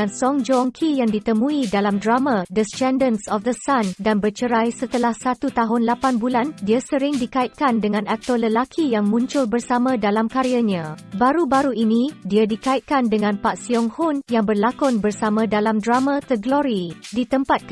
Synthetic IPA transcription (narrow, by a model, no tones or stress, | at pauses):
ansɔŋd͡ʒɔŋkʰijaŋdit̪əmũidalamdɾamãdəst͡ʃɛndənsɔfd̪əsandanbərt͡ʃəɾajsət̪əlahsat̪ut̪aɦʊnlapanbulandiasəɾɪŋdikaɪt̪̚kandəŋãnak̚t̪ɔrləlakʰijaŋmũɲt͡ʃʊlbərsamãdalamkaɾiaɲãbaɾubaɾuinĩdiadikaɪt̪̚kandəŋãnpaʔsiɔŋhʊnjaŋbərlakʊnbərsamãdalamdɾamãt̪əɡlɔɾidit̪əmpat̪̚